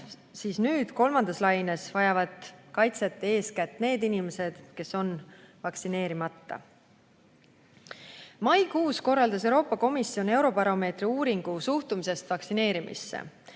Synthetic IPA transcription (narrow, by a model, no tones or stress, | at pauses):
siːsnyːd̪̥ko̞lmɑnd̪̥ɑslɑjnesvɑjɑvɑd̪̥kɑjt̪se̞t̪ːˑe̞ːskæt̪ːˑne̞ːd̪inimese̞d̪̥ke̞so̞nvɑksine̞ːɾimɑt̪ːɑ̰ | mɑjkuːsko̞rːɑld̪ɑs̬e̞wɾo̞ːpːˑɑko̞misːio̞ne̞wɾo̞bɑɾo̞me̞ːt̪riuːɾiŋɡ̥usuht̪umise̞st̪vɑksine̞ːɾimʔḭsːḛ